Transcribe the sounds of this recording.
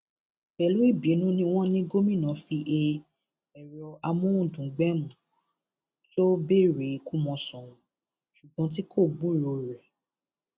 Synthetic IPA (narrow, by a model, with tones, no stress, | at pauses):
bɛ˨lu˨˦i˦˨bi˨˦nũ˦nĩ˧w̃ɔ̃˦nĩ˦ɡo˦mĩ˦˨nã˨˦fi˧ʔe˧ | ɛ˨ɾɔ˧a˧mũ˦ũ˦˨dũ˨˦ɡ͡bɛ˦mũ˨ | to˦be˦˨ɾe˨˦ku˦mɔ̃˧sɔ̃˨ũ˨ | ʃu˨ɡ͡bɔ̃˨˦t̬i˦kʰo˦˨ɡ͡bu˦˨ɾo˨ɾɛ˨